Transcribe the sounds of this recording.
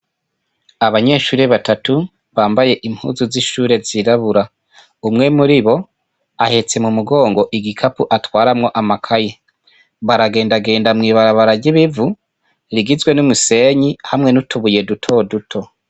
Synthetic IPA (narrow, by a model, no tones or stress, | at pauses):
aβaɲe̞ːʃuːɾeβatatu | βaːmbaje̞ʔimhṵːzuziʃuːɾe̞ziɾaβuɾa | umŋe̞muɾiβo̞ | ahe̞t͡se̞mumuɡo̞ːŋɡo̞ʔiɡikʰapuʔatwaːɾamŋo̞ʔamakʰaje | βaɾaɡe̞ːndaɡe̞ːndamŋiːβaɾaβaɾaɟiβivu | ɾiɡizwe̞numuse̞ɲihamŋe̞nutuβuje̞dutʰo̞dutʰo̞